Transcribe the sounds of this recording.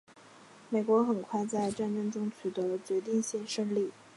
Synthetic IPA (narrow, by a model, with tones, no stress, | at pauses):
me˨˩kwɔ˧˥xə˨˩nkʰwa˥˧ɪt͡sa˥˧ɪʈ͡ʂa˥˩nʈ͡ʂɤ˥ŋʈ͡ʂʊ˥ŋt͡ɕʰy˨˩t̪ɤ˧˥t͡ɕɥɛ˧˥t̪̬i˥˧ŋɕjɛ˥˧nʂɤ˥ŋli˥˩